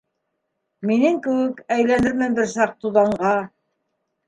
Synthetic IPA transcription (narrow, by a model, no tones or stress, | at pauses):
minɘŋkɘ̆wɘkæjlænɘɾmɘnbɘɾsɑq̚t̪uðɑɴɢɑ